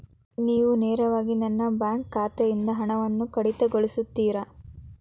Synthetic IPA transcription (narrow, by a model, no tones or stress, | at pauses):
niːʋuneːɾɐʋaːɡinɐnːɐbjaːŋkːaːt̪ejind̪ɐɦɐɳɐʋɐnːukɐɽit̪ɐɡoɭisut̪ːiːɾɐ